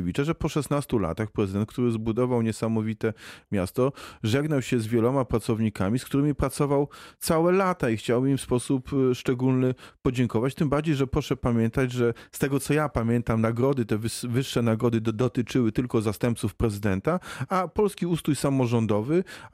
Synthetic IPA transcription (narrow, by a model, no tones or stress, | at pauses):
vʲit͡ʂɛʐɛpɔʂɛsnast̪ula̰t̪axpɾɛzɨd̪ɛnt̪kt̪uɾɘzbud̪ɔvawɲɛsamɔvʲit̪ɛmʲjast̪ɔʐɛɡnawɕɛzvʲjɛlɔmapɾat̪sɔvɲikamʲiskt̪uɾɘmʲipɾat̪sɔvawt̪sawɛlat̪aixt͡ɕawimfspɔsupʂt͡ʂɛɡulnɘpɔd͡ʑɛŋkɔvat͡ɕt̪ɘmbaɾd͡ʑejʐɛpɾɔʂɛpamʲjɛnt̪ad͡ʑʐɛst̪ɛɡɔt̪sɔjapamʲjɛnt̪amnaɡɾɔd̪ɘt̪ɛvvɘʂːɛnaɡɾɔd̪ɘd̪ɔt̪ɘt͡ʂɘwɘt̪ɘlkɔzast̪ɛmp̚t̪sufpɾɛzɘd̪ɛnt̪aapɔlskʲiust̪ujsamɔʐɔnd̪ɔvɘ